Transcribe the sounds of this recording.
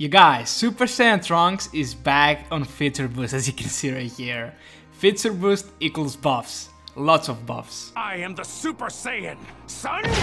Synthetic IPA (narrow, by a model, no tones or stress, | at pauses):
jəɡaɪz̥sʉpə˞seɨ̃ntʰɹʌ̃ŋksɪzbæk̚tn̩fɪtə˞bustɨzjɨkʰɨ̃nsiɹɪhiɹ | fɪtsə˞bustɪkl̩ˠzbʌfs | lɔtsɔvbʌ̰fsaɪɨ̃mðəsupə˞seɪɪ̰̃nsʌ̃n